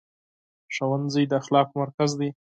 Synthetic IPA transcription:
ʃawanzəjd̪əaxlɑkmaɾkazd̪i

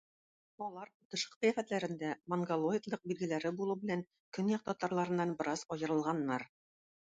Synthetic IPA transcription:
ɒlˠɑɾut̪ɤ̆ʃɤ̥q̚ijæfæt̪læɾɘ̆nd̪æmɐŋɡolˠoik̪lˠɤq̚bilɡɘ̆læɾɘbulˠubɘ̆læŋ | kɵnjɑq̚t̪ɒt̪ɑɾlˠɑɾɤ̆nːɑnbɤ̆ɾɑzɒjɤ̆ɾɤ̆lˠʁɑnːɑɾ

